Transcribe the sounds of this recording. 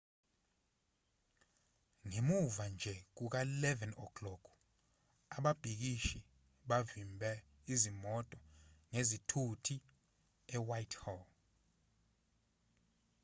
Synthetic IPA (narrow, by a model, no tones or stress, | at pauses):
ŋemuvand͡ʒʱɛk̬uk̬ailɛvɛnɔkʰlɔɡ̥u | aɓab̥ʱik̬iʃi | ɓavimbʱɛ | izimɔtʼɔŋezitʰutʰi | ɛwajtʰhɔl